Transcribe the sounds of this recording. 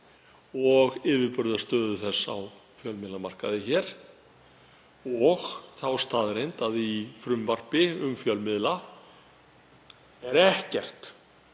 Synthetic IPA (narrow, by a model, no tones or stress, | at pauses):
ɔɣɪːvɪɾpʏɾðast̪œːðʏθɛsːa̰wfjœlmɪðlamar̥kaðɪçɛɾ̥ | ɔɣθawst̪aːðɾejnt̪aðifɾʏmvar̥pɪʏmfjœlmɪðla | ɛɾɛhcɛr̥t̪